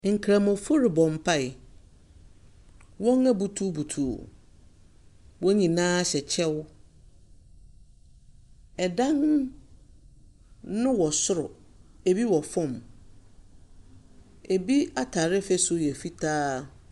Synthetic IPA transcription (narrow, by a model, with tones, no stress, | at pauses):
ŋ̩˨kʰɾa˨mɔ̃˨fʊ˦ɾɪ˨bɔ̃˨m˨pʰa˦˨ɪ˨ | wɔ̃˦ŋæ˦bu˨tʰu˦bu˨tʰṵ˨ | wɔ˦ɲĩ˨nãː˦ɕɛ˨t͡ɕʰɛ˦w | ɛ˨dã˦n | nʊ̃˦wɔ˨sʊ˦ɾʊ̰˨ | e˨bi˦wɔ˨fɔ̃˦˨m | e˨bi˦a˦tʰaː˨ɾɪ˦fɛ˦sʊ˦jɛ˨fi˦tʰaː˦